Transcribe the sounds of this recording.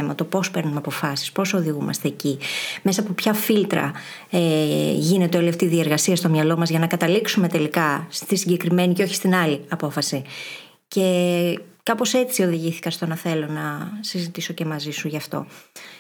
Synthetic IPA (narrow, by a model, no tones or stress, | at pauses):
emɐt̪o̞po̞spe̞ɾnumɐpo̞fɐsi̥spo̞so̞ðiɣumɐ̰st̪e̞ːcime̞sɐpopçɐfilt̪ɾɐ̰ | eʝinet̪eoeleft̪iðie̞ɾɣɐsiɐst̪omɲɐlo̞mɐzʝɐnɐkɐt̪ɐliksume̞t̪e̞likɐst̪isiɟe̞kɾime̞niceo̞çist̪inɐliɐpo̞fɐsi | ce̞ | kɐpo̞se̞t͡sio̞ðiʝiθi̥kɐst̪o̞nɐθe̞lo̞nɐsizit̪iso̞ce̞mɐzisuʝɐft̪o̞̰